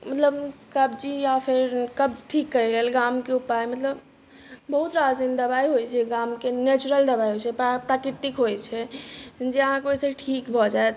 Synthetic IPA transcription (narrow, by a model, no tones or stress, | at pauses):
mət̪ləbkəbd͡ʒijapʰiɾkəbʈʰikːəɾɛɾəɦəlɡamkeupajmət̪ləb | bəɦut̪ɾad͡ʒind̪əbaiɦojt͡ʃʰɛɡamkenet͡ʃuɾəld̪əbaiɦojt͡ʃʰɛpɾakɾit̪ikɦojt͡ʃʰɛd͡ʒeəɦãkojseʈʰikbʱɔd͡ʒaet̪